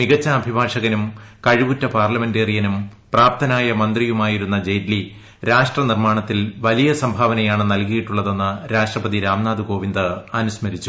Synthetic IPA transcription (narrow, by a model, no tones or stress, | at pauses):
miɣɐt͡ɕːɐːbʱibʱaːʂɐɣɐnumkɐɻibutːɐpaːrlɐme̞ndeːrijɐnum | praːpt̪ʰɐnaːjɐmɐnd̪rijumaːjiɾunːɐd͡ʑejdli | ɾaːʂʈrɐnirmaːɳɐt̪ːilʋɐlijɐsɐmbʱaːʋɐnɐjaːɳɨnɐlkijiʈːuɭːɐðe̞nːɐɾaːʂʈrɐpɐðiɾaːmnaːd̪uko̞ːʋind̪ɨɐnusmɐɾit͡ɕːu